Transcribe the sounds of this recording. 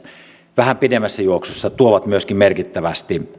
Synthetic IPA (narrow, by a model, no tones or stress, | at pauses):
ʋæhæmpidemːæsːæjuoksosːɑt̪uoʋɑt̪myøskimmerkit̪ːæʋæst̪i